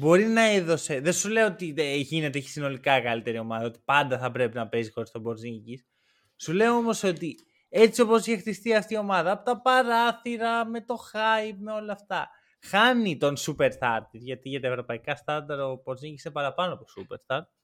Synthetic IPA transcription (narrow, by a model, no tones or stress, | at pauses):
bo̞ɾinɐe̞ðo̞se̞ðe̞nsule̞oot̪iʝine̞t̪eçi̥sino̞likɐkɐlit̪e̞ɾio̞mɐðɐo̞t̪i̥pɐnd̪ɐθɐpɾe̞pinɐpe̞zixo̞ɾist̪o̞bo̞ɾziɲɟis | sule̞oo̞mo̞so̞t̪i | e̞t͡sio̞po̞siçext̪ist̪iɐft̪io̞mɐðɐːpo̞t̪ɐpɐɾɐθiɾɐme̞t̪o̞xɐjip̚me̞o̞lɐːft̪ɐ | xɐnit̪o̞nsupe̞ɾsθɐɾt̪iʝɐt̪iʝɐt̪ɐevɾo̞pɐikɐst̪ɐnd̪ɐɾo̞bo̞ɾziɲɟisepɐɾɐpɐnoɐt̪osupe̞̰ɾst̪ɐɾt̪̚